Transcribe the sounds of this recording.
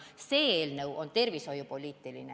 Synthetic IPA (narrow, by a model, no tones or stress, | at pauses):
seːelnewʔont̪erʋisojupolʲiːt̪ːilḭne